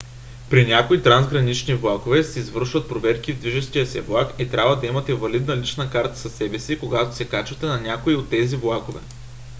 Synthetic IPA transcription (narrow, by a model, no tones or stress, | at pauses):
pɾinʲakoit̪ɾanzɡɾɐnit͡ʃnivlˠakovɛsɛizvɤɾʃvɐt̪̚pɾovɛɾkivd̪viʒɛʃt̪ijəsɛvlˠakɛt̪ɾʲʔabvɐd̪ɐimɐt̪ɛvɐlid̪nɐlit͡ʃnəkaɾt̪ə̥sɐsɛbɛsikoɡat̪osɛkat͡ʃɐt̪ɛnɐnʲakoiot̪ːɛzivlˠakovɛ̰